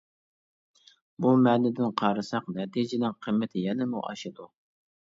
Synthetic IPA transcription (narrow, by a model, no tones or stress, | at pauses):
bumɛlɪd̪ɪnqʰɑːɾɨsɑqnɛt̪ʰid͡ʒɪnɪnqʰəmːɪt̪ʰɪjɛnɪmuʔɑ̰ʃɨd̪u